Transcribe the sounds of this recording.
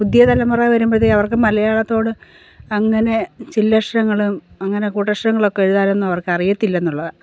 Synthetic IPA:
pud̪jɐt̪ɐlɐmɐrajʋɐɾumbɐðiɐʋɐrkɨmɐlɐjaːɭɐt̪ːo̞ːɽɨ | ɐŋːɐne̞t͡ɕilːɐʂʈɐŋːɐɭumɐŋːɐne̞kuːʈːɐʂrɐŋːɐɭo̞kːeeɻuðaːle̞nːumɐʋɐrkɨɐrijɐt̪ːilːɐenːuɭːɐðɨ

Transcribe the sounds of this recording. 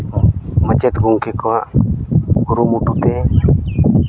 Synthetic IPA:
mət͡ʃɛt̪ɡuŋkekɔwaʔ | ɡuɾumuʈut̪e

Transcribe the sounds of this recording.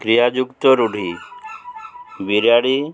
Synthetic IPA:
kɾijad͡ʑukt̪oɾuɽ̤ʱi | ʋiɾjaɽi

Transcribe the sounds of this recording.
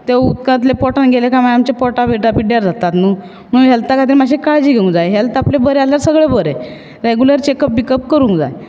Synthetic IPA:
t̪eut̪̚kãt̪lepɔʈanɡʱelekamajamt͡ɕepɔʈabʱeʈapiɖjaɾd͡zat̪at̪nuː | nuːɦɛlt̪akat̪̬iɾmaɕ̬ekaɭd͡ʑiːɡʱeũŋd͡zajɦɛlt̪aplebəɾealjaɾsəɡɭebəɾe | ɾeɡuləɾt͡ɕekəp̚bikəp̚kəɾũŋkd͡za̰j

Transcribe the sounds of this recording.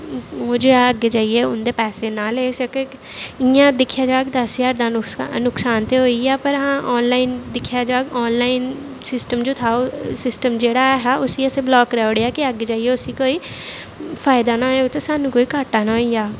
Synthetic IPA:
oːd͡ʒoːɛːəɡeːd͡ʒaːieːʊnd̪eːpɛːseːnaːleːsəkeː | ɪjãːd̪ɪkʰːjaːd͡ʒaːɡd̪əsjaːɾd̪ãːnʊksaːnt̪eːɦoːiːaːpəɾɦãːʔɔːnlaːind̪ɪkʰːjaːd͡ʒaːɡɔːnlaːin | sɪsʈəmd͡ʒoːt̪ʰaːoːsɪsʈəmd͡ʒeːɽaːɦaːʔʊsiːəsẽːblɔːkɾɛːʊɽejaːkɪəɡːed͡ʒaːieːʊsiːkoːiː | pʰaːjɪd̪aːnãːeːot̪eːsaːnũːkoːiːkaːʈːaːnaːoiːaː

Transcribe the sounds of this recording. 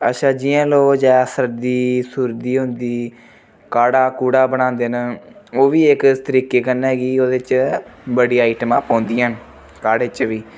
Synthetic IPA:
əʃʰaːd͡ʒɪjãːloːd͡ʒaːsəɾd̪iːsuːɾd̪iːɦʊnd̪iː | kaːɽaːkuːɽaːbənãːnd̪eːnəoːʋiːɪkt̪əɾiːkeːkənɛːɡiːoːd̪eːt͡ʃbəɽiːaiːʈəmãːpãːnd̪iːɦən | kaːɽeːt͡ʃʋiː

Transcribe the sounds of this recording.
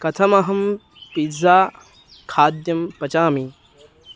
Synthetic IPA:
kɐt̪ʰɐmɐɦɐm | pid͡zaː | kʰaːd̪jɐmpɐt͡ʃaːmi

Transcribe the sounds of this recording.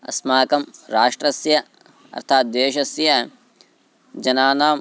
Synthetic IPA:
ɐ̰smaːkɐmɾaːʂʈɾɐsjɐ | ɐ̰ɾt̪ʰaːt̪̚d̪eːʃɐsjɐ | d͡ʒɐnaːnaːm

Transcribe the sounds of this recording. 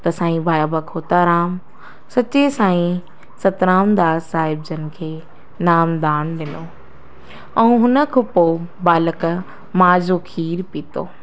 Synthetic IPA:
t̪ɐsãːĩbʱaːjabɐkʰoːt̪aɾaːm | sɐt͡ɕesãːĩ | sɐt̪ɾãːʊ̃nd̪aːsaːɦɪb̚d͡ʑɐn̆kʰeː | naːmd̪aːɽ̃ɗɪnoː | ɛ̃ũɦʊnə̆kʰopobaːlək | maːd͡ʑokʰiːɾpiːt̪oː

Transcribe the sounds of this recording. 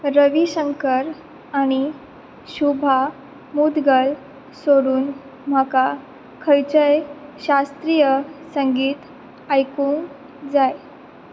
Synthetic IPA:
ɾəʋiɕəŋkəɾ | aɽ̃i | ɕubʱa | mud̪ɡəl | soɽuːn | m̤əka | kʰəjt͡ɕəjɕast̪ɾijəsəŋɡiːt̪ | ajkũːŋk | d͡zaj

